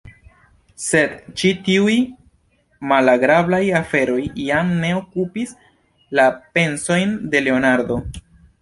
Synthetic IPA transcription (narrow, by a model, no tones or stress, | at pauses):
se̞dt͡ʃitiuj | malaɡɾablajafe̞ɾo̞jjamne̞o̞kupis | lape̞nso̞jnde̞le̞o̞naɾdo̞